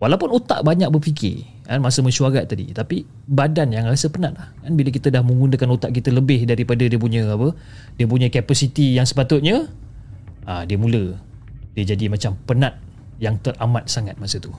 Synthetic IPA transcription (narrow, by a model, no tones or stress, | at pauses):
walawpʊnut̪a̰ʔbaɲak̚bərfikɪ̰ | kanmasəməʃuaɡaʔt̪adḭt̪api | badanjaŋrasəpənat̪̚lahkanbilək̬it̪ədahməŋɡundəkanut̪aʔkit̪ələbɪhdaɾipadədiəp̬uɲəapə | diəp̬uɲə̃kapasit̪ijaŋsə̥pat̪ʊt̪̚ɲə̃ | adiəmũlə | diəd͡ʒadimat͡ʃampənat̪̚ | jaŋt̪ərʔamat̪̚saŋat̪̚masət̪u